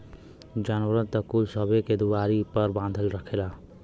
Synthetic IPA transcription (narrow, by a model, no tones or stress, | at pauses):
d͡ʒaːnwəɾə̃nt̪əkuːlsəbeked̪uwaːɾipəɾbãːnd̪ʱəlɾəkʰelaː